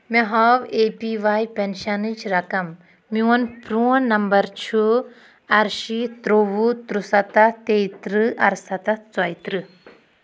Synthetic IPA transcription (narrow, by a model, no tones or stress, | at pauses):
meɦɔʋeːpiʋaːjpenʃɐnid͡ʒɾɐkɐmː | iwɐnpɾũnɐmbɐɾt͡ʃʰu | ɐɾʃit̪ɾoʋut̪ɾusɐt̪ɐt̪eit̪ɾɨʔɐ̰ɾsɐt̪ɐt͡sɔjt̪ɾɨ